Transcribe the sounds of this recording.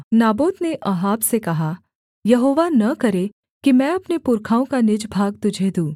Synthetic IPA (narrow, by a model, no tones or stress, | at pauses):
naːboːd̪neʔɐɦaːbsekɐɦa | jɐɦoːʋanɐkɐɾe | kimɛ̃ɐpnepʊɾkʰaːõkanɪd͡ʒbʱaːɡ̚t̪ʊd͡ʒʱed̪ũː